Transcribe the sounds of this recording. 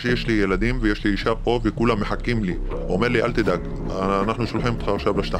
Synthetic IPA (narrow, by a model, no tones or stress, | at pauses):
jeʃlijelad̪imvejeʃliiʃapo̞vekulamːeħakimli | ome̞ʁliʔa̰lt̪id̪aɡ | naħnuʃolħimet̪χaːχʃavlaʃt̪a